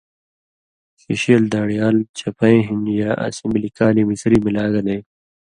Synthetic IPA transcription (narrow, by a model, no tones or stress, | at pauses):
siɕiːld̪aːɽijaːlt͡ɕʰɐpʰɐẽɦinjaːʔɐ̰simbilikaːlimisɾimilaːɡɐnẽː